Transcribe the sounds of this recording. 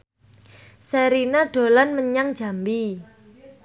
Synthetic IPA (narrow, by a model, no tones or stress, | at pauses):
sɛɾinaɖ̥o̤lanməɲaŋ̥ʒ̥a̤mbi